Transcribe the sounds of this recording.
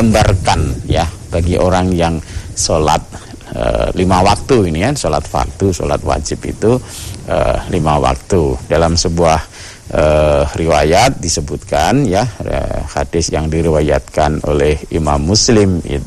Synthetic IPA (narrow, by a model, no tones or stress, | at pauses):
əmbarkanja | b̥aɡiʔoɾaŋjaŋsolat̪̚ | ə̰limawak̚t̪uinikansolat̪̚fa̰k̚t̪uso̰la̰t̪wa̰d͡ʒɪpḭt̪u | ə̰limawa̰k̚t̪udalamsəbuah | əriwajat̪̚disəbut̪̚kanjaə̰hadɪsjaŋdiɾiwajat̪̚kanolɛhimamːuslɪmḭt̪